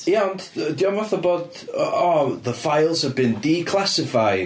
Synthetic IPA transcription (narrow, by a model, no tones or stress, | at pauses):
jaɔndədiɔmɔθɔboːd | ɔðəfajlˠz̥həvbɨndikʰl̥ˠasɪfaj